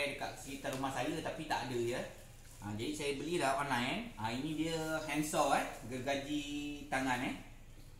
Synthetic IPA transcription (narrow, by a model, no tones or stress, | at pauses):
dəka̰t̪̚siit̪aɾumahsajət̪apit̪a̰ʔadəjə | ʔad͡ʒadisajəbəlidaanãjnainĩdiəhɛnsɔlɛhɡərɡad͡ʒit̪aŋanɛh